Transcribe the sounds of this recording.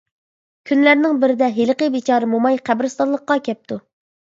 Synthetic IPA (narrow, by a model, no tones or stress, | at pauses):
kʲʰynlæɾnɪŋbɪɾɪd̪ɛɦelqəbet͡ʃʰɑːɾɨmomɑjqʰæbɾɪst̪ɑlˠəqqːɑkʲʰɛp̚t̪ʰu